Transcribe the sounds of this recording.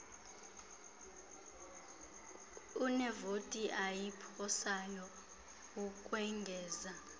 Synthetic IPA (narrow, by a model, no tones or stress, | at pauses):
unɛvotʼiʔajipʰɔsajɔ | ukʼwɛŋɡʱɛːza